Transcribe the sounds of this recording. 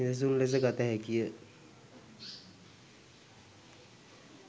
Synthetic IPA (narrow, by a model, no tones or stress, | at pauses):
id̪əs̬unles̬əɡat̪aɦɛkijə